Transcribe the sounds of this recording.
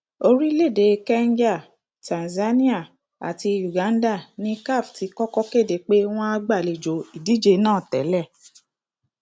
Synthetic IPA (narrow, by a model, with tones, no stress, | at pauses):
o˧ɾi˦le˦˨de˨˧kɛ˦n˦d͡ʒa˦˨ | tã˨nza˦nĩ˦a˦˨ | a̰˨ti˧ju˨ɡã˨˦n˦da˦˨nĩ˦ka˦˨fti˨˧kɔ˦kɔ˦ke˦˨de˨k͡pe˦w̃ɔ̃˦a˦˧ɡ͡ba˦˨le˨d͡ʒo˨i˨di˨˦d͡ʒe˧nãː˦˨tɛ̰˨˦lɛ˦˨